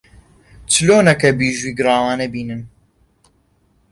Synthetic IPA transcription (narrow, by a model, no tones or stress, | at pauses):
t͡sɨloːnɐkɐbiːʒuiːɡɨɾaːwaːnɐbiːnɨn